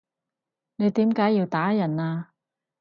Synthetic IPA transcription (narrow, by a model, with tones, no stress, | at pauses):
ne˨˧jt̪iː˨˥mkaː˨˥jːiː˧wt̪aː˨˥jɐ˨˩naː˧